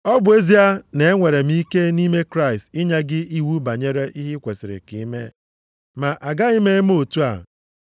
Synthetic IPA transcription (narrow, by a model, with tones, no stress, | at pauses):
ɔ˦bʊ˨e˦zi˦a˦ne˨e˦ŋʷe˨ɾe˨m̩˦i˦ke˦ni˦me˦kɾa˦˨ɪ˨stɪ˦ɲe˦ɡɪ˦i˦wu˦ba˨ɲe˦ɾe˦ʔi˦ɦɪ˦kʷe˨sɪ˨ɾɪ̰˨ki˨˦me˦ | ma˨ʔa˨ɡa˦i˦me˦m˦o˨tu˦a̰˨